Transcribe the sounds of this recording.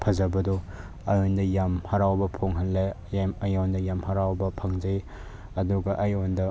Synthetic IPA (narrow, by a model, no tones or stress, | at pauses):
pʰɐzɐbɐdɔ | ɐjondɐjamhɐɾawbɐpʰoŋɦɐnlaj | mɐjondɐjamhɐɾawbɐpʰɐŋd͡ʒɐj | ɐduɡɐʔɐjondɐ